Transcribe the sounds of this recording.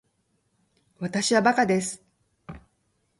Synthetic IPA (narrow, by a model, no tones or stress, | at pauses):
βat̪aɕiβabakad̪e̞sɨ̥